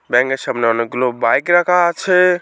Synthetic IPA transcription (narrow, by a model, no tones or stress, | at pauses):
bɛ̃ŋkesəbneɔneɡlobbajkɾəkʰat͡ʃʰɛ